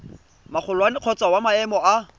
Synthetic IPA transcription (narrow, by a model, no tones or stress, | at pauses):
maχʰʊlwanɪq͡χʰɔt͡sawamaɛmɔa